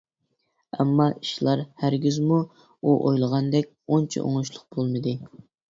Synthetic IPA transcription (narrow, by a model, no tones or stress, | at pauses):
ɛ̰mːɑi̥ʃlˠɑɾhæɾɡʲyzmu | uʔojlˠəʁɑnd̪ɛkʲont͡ʃʰɛ̰ʔo̰ŋuʃlˠʊq̚b̥olˠmɨd̪ɨ